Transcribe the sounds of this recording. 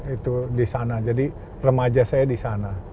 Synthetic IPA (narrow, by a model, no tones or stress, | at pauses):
it̪udisanad͡ʒadi | rəmad͡ʒasajadisana